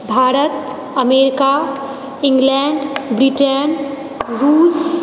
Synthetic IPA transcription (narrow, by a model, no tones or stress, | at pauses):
bʱaːɾət̪ | ɐmeːɾɪka | ɪ̃ŋɡlɛːɳɖbɾiʈən | ɾuːs